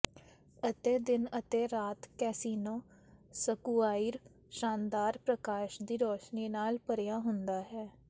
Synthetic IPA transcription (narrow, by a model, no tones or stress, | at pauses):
ət̪eːd̪ɪnət̪eːɾaːt̪kɛːsiːnõːsəkuːaːiːɾ | ʃaːnd̪aːɾpɾəkaːʃd̪iːɾɔːʃniːnaːlpəɾjaːɦʊnd̪aːɦɛː